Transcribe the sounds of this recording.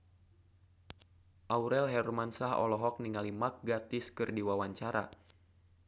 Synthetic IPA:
ʔauɾɛlɦɛrmansaɦɔ̰lɔɦɔk̚niŋalimak̚ɡat̪ɪskɨrdiwawaɲt͡ʃaɾa̰

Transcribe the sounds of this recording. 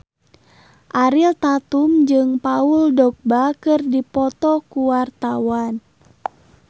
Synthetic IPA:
ʔaɾilt̪at̪umd͡ʒɨŋpauldɔk̚bakɨrdipɔt̪ɔkuwart̪awan

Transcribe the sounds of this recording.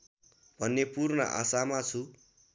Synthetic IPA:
bʱʌnːepurnʌ̰ʔa̰samat͡sʰu

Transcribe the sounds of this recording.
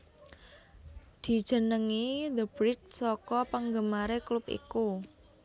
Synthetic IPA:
d̪̥i̤d̥ʒ̥ə̤nəŋid̪əbɾɪt̪̚sɔkɔpaŋɡəmaɾeklupḭku

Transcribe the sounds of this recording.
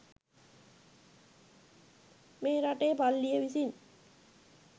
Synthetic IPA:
meːɾaʈeːpalːijeʋisin

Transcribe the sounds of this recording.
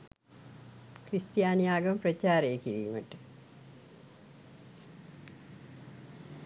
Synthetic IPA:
krist̪jaːnjaːɡɐmprɐt͡ɕːaːɾeːkːiɾijumɐʈːɨ

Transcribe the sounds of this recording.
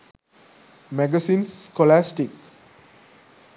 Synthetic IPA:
mɛɡəsĩːnsːkɔlæsʈik

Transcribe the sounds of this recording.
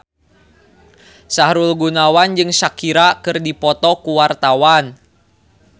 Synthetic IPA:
saɦɾulɡunawand͡ʒɨŋsakiɾakɨrdipɔt̪ɔkuwart̪awan

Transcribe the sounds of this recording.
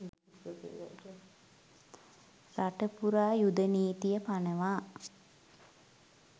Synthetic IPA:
ɾaʈəpuɾaːjud̪əniːt̪ijəpanəʋaː

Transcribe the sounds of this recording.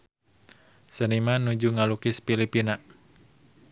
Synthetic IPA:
sənimanud͡ʒuŋalukɪspilipina

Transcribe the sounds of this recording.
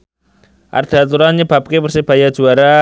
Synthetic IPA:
ʔa̰rd̪̥a̤t̪uɾanɲəb̥a̤p̚kepərseb̥ajḁʒ̥uaɾa

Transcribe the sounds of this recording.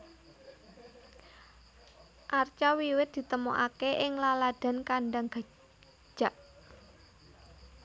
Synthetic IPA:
ʔart͡ʃawiwɪt̪̚d̪̥i̤t̪əmoʔa̰keʔɪŋlalad̪̥a̤nkaɳɖaŋɡ̥a̤̥ | d͡ʒ̥a̤ʔ

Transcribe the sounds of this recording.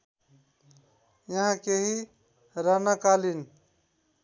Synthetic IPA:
jəɦãkeɦi | ɾanakalin

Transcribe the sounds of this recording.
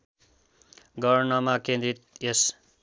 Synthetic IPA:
ɡʌrnʌmakẽnd̪it̪̚jes

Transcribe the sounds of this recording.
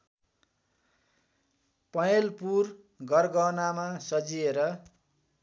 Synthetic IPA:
pʌjelpur | ɡʌrɡʌnamasʌd͡zieɾʌ

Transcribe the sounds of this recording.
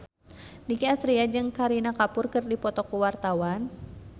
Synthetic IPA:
nikiasɾiad͡ʒɨŋkaɾinakapʊrkɨrdipɔt̪ɔkuwart̪awan

